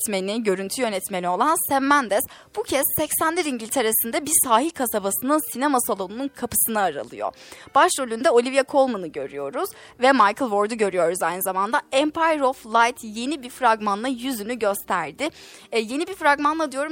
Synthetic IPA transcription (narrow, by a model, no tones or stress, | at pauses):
t̪meniɟø̞ɾynt̪ʰyjø̞nɛt̪menio̞lˠansɛmːænd̪ɛs | b̥ucʰɛsːɛcsænlʲiɾiɲɟilʲt̪ʰe̞ɾesind̪ɛbiɾsaːɦilʲkʰasabasɯnɯnsinemasalˠo̞nununkʰapɯ̥sɯnaːɾa̰lˠɯ̰jo̰b̥aʃɾølʲynd̪ɛo̞lʲivjakʰo̞lˠmunɯɟø̞̰ɾy̰jo̞ɾuz̥ | vɛmajkʰɯlˠvo̞ɾd̪uɟø̞ɾyjo̞ɾuzajnɯzamand̪aɛmpʰajɾoflˠajt̪ʰje̞nibiɾfɾaɡmanlˠajyzynyɟø̞st̪ʰæɾd̪ɪ | je̞nibifɾaɡmanlˠad̪ijo̞ɾum